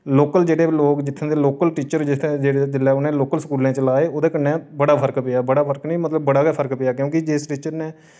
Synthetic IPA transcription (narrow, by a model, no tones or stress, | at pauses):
loːkəld͡ʒeːɽeːloːkd͡ʒɪt̪ʰːẽːd̪eːloːkəlʈiːt͡ʃəɾd͡ʒɪsʰẽd͡ʒeːɽed͡ʒ̪ɪlɛːʊnẽːloːkəlskuːlẽːt͡ʃəlaːeːoːd̪eːkənːeːbəɽaːpʰəɾkpɪjaːbəɽaːpʰəɾknĩːmət̪ləbːəɽaːkɛːpʰəɾkpɪjaːkjõːkɪd͡ʒɪsʈiːt͡ʃəɾneː